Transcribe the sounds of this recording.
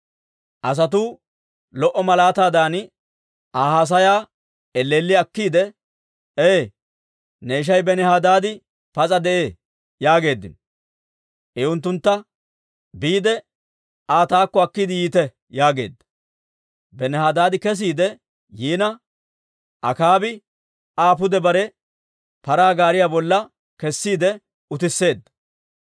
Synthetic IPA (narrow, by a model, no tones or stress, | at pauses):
ʔɐs̬ɐt̪̬uː | lɔʔɔmɐlaːt̪aːd̪aːn | ʔaːhaːs̬ɐjaː | ɛlːeːlːɪɐkːiːd̪ɛ | eː | neːʃ̬ɐjbɛnɛhaːd̪aːd̪ɪ | pɐt͡sʼɐd̪ɛʔeː | jaːɡe̞ːd̪ːɪ̰n | ʔɛʊnt̪̬ːʊnt̪ːɐ | biːd̪ɛ | aːt̪aːkːɔɐkːɪd̪ɪjiːt̪ɛ | jaːɡe̞̰ːd̪ːɐ̥ | bɛnɛhaːd̪aːd̪ɪkɛs̬iːd̪ɛ | jiːnɐ | ʔɐkaːbɪ | aːp̬ʊd̪ɛbɐɾɛ | pɐɾaːɡaːɾɪjaːbɔlːɐ | kɛsːiːd̪ɛ | ʊt̪ɪsːe̞ːd̪ːɐ̥